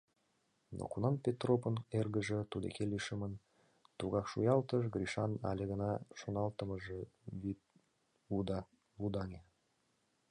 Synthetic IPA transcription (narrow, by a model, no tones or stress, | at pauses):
nʔo̰kunɑnpʲet̪ropənerɣəʒə̆t̪ud̪ḛkeliʃəmən | t̪uɣɑkʃujɑlt̪əʒɡɾʲiʃɑnɑ̰lʲeɣənɑʃonɑlt̪əməʒəβit̪ | ud̪ɑ | vud̪ɑŋʲe